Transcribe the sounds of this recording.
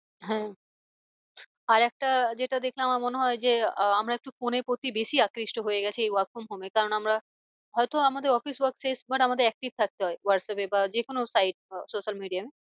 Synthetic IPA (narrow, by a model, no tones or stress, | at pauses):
ɦɛ̃ | aɾɛk̚ʈad͡ʑeʈad̪ekʰleamaɾmoneɦɔed͡ʑeamɾaek̚ʈufoneɾpɾot̪ibeʃiakɾiʃʈoɦojeɡɛt͡ɕʰiejwakʰomɦomekaɾonamɾa | ɦɔet̪oamad̪eɾɔfiswaɾksesbʱaʈamad̪eɾɛk̚ʈib̚t̪ʰak̚t̪eɦɔewaɾʈsapebad͡ʑekonosajʈ̚soʃalmiɖijame